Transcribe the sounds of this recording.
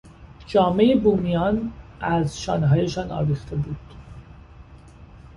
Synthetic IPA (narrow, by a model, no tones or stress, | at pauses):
d͡ʒɒːmejebuːmijɒːnʔæzʃɒ̰ːnɦɒːje̞ʃɒːnɒ̰ːviːxt̪ʰe̞buːd̪̥